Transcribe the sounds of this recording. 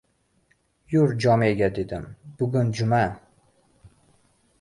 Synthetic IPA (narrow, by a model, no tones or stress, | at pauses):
jʊɾd͡ʒɒmeɡʲad̪e̞d̪ɪmbʊɡʊnd͡ʒʊma